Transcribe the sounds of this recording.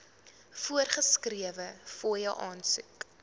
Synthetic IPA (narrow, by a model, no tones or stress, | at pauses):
fuərχəskriəvəfujəwʔɑːnsʉk